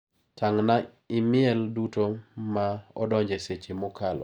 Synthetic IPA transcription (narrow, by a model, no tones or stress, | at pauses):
tʰaŋna | ɪmɪɛldutomaɔ̰dɔɲd͡ʒeset͡ʃemɔkalɔ̰